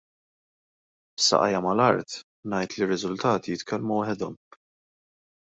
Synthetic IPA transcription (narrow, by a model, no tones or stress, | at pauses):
sɐ̰ʔɐ̰jɐmɐlɐɾt̪ | nɐjt̪lirːɪzʊlt̪ɐːt̪ijɪt̪kʰɛlmuwɐħɛd̪ɔm